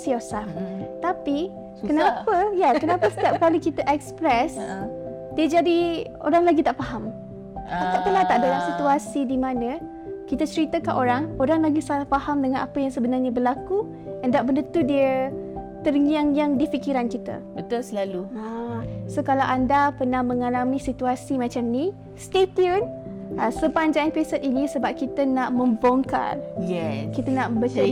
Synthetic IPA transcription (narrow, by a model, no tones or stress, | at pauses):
siosat̪api | kənapəjakənãpasə̥t̪ap̚kalikit̪aʔɛkspɾɛs | d̥iəd͡ʒadi | o̰ɾaŋlaɡit̪aʔfaɦam | ak̪aʔp̪əlat̪aʔdalaʔsit̪uasidimãnə̃ | kit̪at͡ʃəɾit̪akanʔoɾaŋoɾaŋlaɡisalahfaɦamdəŋãnʔapajaŋsəbənarɲabərlaku | ɛndaʔbəndət̪udiə | t̪əɾɲaŋjaŋdifikiɾankit̪ə̰bət̪ʊlsəlaluasokalawʔandapərnahmə̃ŋalamĩsit̪uasimat͡ʃamni | st̪et̪iən | asəpaɲd͡ʒaanpesət̪̚inĩsəbap̚kit̪ənaʔmə̃mbɔŋka̰ljɛkit̪ənaʔbət͡ʃa